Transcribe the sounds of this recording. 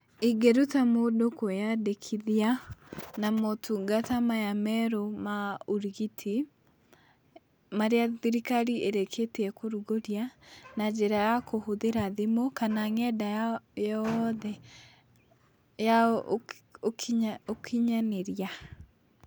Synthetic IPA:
iɡeɾutamodokojadekʰiðianamotʰuɡatamajamɛɾomauɾiɣitʰi | maɾeaðiɾikaɾieɾekʰeteɛkoɾuɣoɾjanad͡ʒeɾajakohoðeɾaðemokanaŋɛdajajɔðɛ | ja | okokʰiɲaneɾja

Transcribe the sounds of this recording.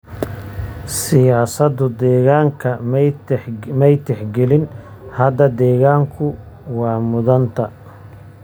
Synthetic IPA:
sɪjaːsɐd̪ʊd̪ɛːɣaːŋkʰɐm | mɛjt̪ʰɛħɡɛlɪn | hɐd̪ɐd̪ɛːɣaːŋkʰʊ | wɑːmʊðɐnt̪ʰɐ

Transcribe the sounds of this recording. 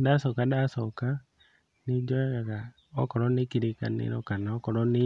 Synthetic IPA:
dasokadasoka | nid͡ʒɔaɣa | okɔɾɔnikiɾika̰nḛɾɔkanaokɔɾɔni

